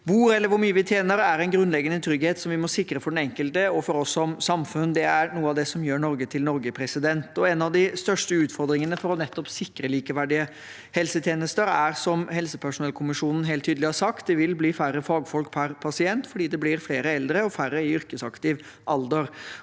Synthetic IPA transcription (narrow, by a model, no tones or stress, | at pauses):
ʋuːɾɛlːəɾʋʊɾmyːəʋɪt̪ʰjeːnəɾæɾɛnɡɾʉnlɛɡːənət̪ʰɾʏɡheːt̪sɔmʋɪmɔsɪkːɾəfɔɖɛnɛŋkəlt̪əɔfɔɾɔsːɔmsɑmfʉnd̪ɛæɾnuːəɑʋd̪ɛsɔmjøːɳɔɾɡət̪ʰɪlnɔɾɡəpʰɾɛsɪd̪ɛnt̪ɔɛnɑʋd̪ɪst̪œʂʈəʉːt̪fɔɾd̪ɾɪŋənəfɔɾɔnɛt̪ːɔpsɪkɾəliːkəʋæɖɪə | hɛlsət̪ʰjeːnəst̪əɾæɾsɔmɦɛlsəpʰæʂʊnɛlkʰʊmɪʂuːnn̩ɦeːlt̪ʰːyːd̪əlɪhɑɾʂsɑkt̪̚d̪ɛʋɪlbliːfæɾːəfɑːɡfɔlk̚pʰæɾpʰɑsɪɛnt̪fɔɖiːd̪ɛblɪɾfleːɾəɛld̪ɾəɔfærːəɪʏɾkəsɑkt̪ɪʋ | ʔɑld̪əɾ